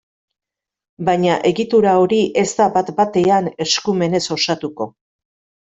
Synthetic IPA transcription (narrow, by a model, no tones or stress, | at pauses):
bajɲaʔe̞ɣit̪uɾao̞ɾiʔe̞zt̪abat̪bat̪e̞ane̞skume̞ne̞so̞sat̪uko̞